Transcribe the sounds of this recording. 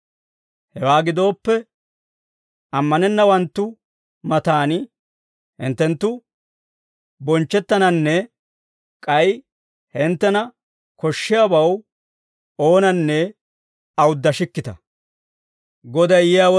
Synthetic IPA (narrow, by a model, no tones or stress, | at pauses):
hɛwaːɡɪd̪o̞ːpːɛ | ʔɐmːɐnɛnːɐwɐnt̪ːʊ | mɐt̪aːnɪ | hɪ̰nt̪ːɛnt̪ːʊ | bɔnt͡ʃːɛt̪ːɐnɐnːɛ | kʼɐj | hɪnt̪ːɛnɐ | kɔʃːɪjabɐw | o̞ːnɐnːɛ | ɐwʊd̪ːɐʃɪkːɪt̪ɐ | ɡɔd̪ɐjjɪjaːwɔ